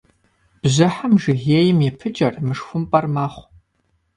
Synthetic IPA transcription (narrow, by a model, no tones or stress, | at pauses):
b̥zɨħamʒɨɣeːjɪmɛpʰɨd͡ʒʼɐrmɨʂxʷʊmpʼɐrmaːχʷ